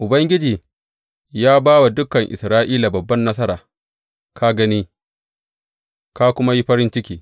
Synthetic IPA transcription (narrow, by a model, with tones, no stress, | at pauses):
ʔʊ˨bɐ˦ŋɡʲɪ˦d͡ʒiː˨ | jaː˦baː˦wa˨dʊ˦kɐ˨ŋʔɪ̰˨sɾaː˦ʔiː˦la˨bɐ˨bːɐ˦nːɐ˦s̬ɐ˦ɾaː˨ | kʰa˦ɡɐ˦ni˦ | ka˦kʷʊ˦ma˦ji˦ɸɐ˦ɾɪ˦nt͡ʃɪ˦kʲiː˨